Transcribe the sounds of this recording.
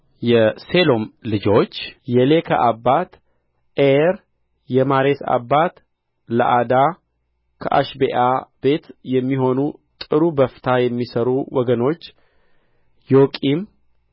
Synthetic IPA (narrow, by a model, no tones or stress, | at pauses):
jɛselo̞mlɨd͡ʒo̞t͡ʃːjɛle̞kʰa̰ʔabːat̪ | ʔeɾ | jɛmaɾesa̰bːat̪ | lə̰ʔad̪a | kʰə̰ʔa̰ʃbeʔab̥e̞t̪jɛmːiɦo̞nut̪ʼɨɾubəft̪ʰajɛmːisəɾuwɔɡəno̞t͡ʃː | jokʼim